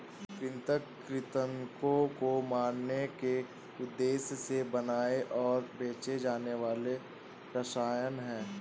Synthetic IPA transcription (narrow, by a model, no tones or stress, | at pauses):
kɾɪ̃nt̪ək | ɾɪt̪əŋkõkomaːɾneke | ʊd̪ːeːsjəsebɐnaːeʔɔːɾbeːt͡ʃed͡ʒaːneʋaːle | pɾəʃaːjənɦɛ̃ː